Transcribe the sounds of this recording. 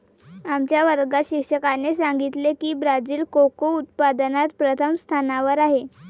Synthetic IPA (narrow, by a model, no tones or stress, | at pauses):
amt͡ɕjaʋəɾɡaɕikʂəkanesaŋɡit̪lekiːbɾad͡ziːlkokout̪̚pad̪nat̪pɾət̪ʰəmst̪ʰanaʋəɾaɦe